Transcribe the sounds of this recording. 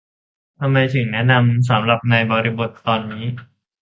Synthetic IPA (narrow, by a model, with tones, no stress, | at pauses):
t̪ʰa˧mːa˧jt̪ʰɯ˩˦ŋnɛ˦˥na˧ms̬a˩˦mɾa˨˩p̚naː˧jbɔː˧ɾi˧bo˨˩t̪ːɔː˧nːiː˦˥